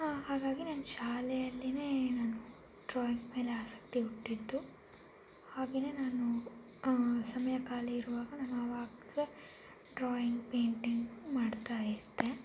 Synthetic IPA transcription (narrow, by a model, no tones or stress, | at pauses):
aɦaːɡaːɡinɐnːɐʃaːlɛjɐlːine̞ːnaːnu | ɖɾoːjiŋɡme̞ːleaːsɐ̥k̚t̪iuʈːid̪ːu | haːɡeːneːnaːnu | sɐmɐjɐkaːlɛiɾuʋaːɡɐnɐmːɐʋaːɡ̪d̪e | ɖɾoːjiŋɡpeːɳʈiŋɡmaːɖt̪aːjiɾt̪ːe̞